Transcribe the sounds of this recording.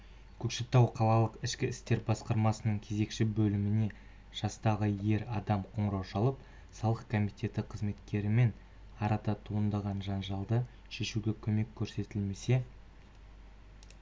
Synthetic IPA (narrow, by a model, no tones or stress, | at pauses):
kʲʰɵkʃɪt̪ːɑwqʰɑlˠɑlˠəqɪʃkʲɪɪst̪e̞ɾbɑsqɑɾmɑsənəɴkʲʰe̞ze̞kʃɪbɵlɪmɪne̞ | ʒ̥ɑst̪ɑʁəje̞ɾɑd̪ɑmqʰo̞ɴəɾɑwʃɑlˠəp | sɑlˠəqkʰomijt̪ʲe̞t̪ɪqʰəzme̞t̪kʲe̞ɾɪme̞n | ɑɾɑt̪ɑt̪ʰuənd̪ɑʁɑnʒɑnʒɑlˠd̪ə | ʃe̞ʃuɡʲe̞kʲʰɵme̞kʲʰːɵɾse̞t̪ɪlme̞se̞